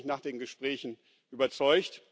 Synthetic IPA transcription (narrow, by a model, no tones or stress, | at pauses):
çnaːχd̥eːnɡəʃpʁ̥ɛːçn̩ | ʔyːbɐt͡sɔʏçt